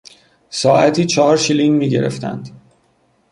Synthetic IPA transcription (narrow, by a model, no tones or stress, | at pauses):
sɒːʔæt̪ʰiːt͡ʃʰɒɦɒːɾʃiliŋmiːɟe̞ɾe̞̰ft̪ʰæ̰nd̪̥